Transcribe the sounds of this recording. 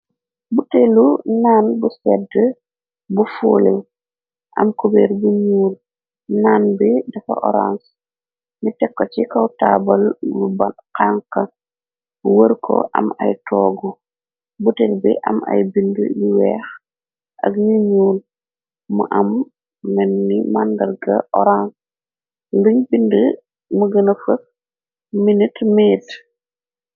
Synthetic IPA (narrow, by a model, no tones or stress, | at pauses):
butelunaːnbusɛdə | bufuːlɛw | ʔɐ̰mkubeːɾbuɲuːl | naːnbidɐfa̰ʔɔ̰ɾa̰ns | nitɛkːot͡ʃikawtaːbɐlmubankaŋka | buwəɾkʰɔ̰ʔɐ̰mɐ̰jtʰɔɡu | butɛlbḭʔɐmɐ̰jbində̰jiwɛːx | ʔɐɡɲiɲuːl | muʔɐmː | ɛnːimandɐɾɡɐʔɔɾans | luɲbində | muɡɐnɐfək | minitmiːt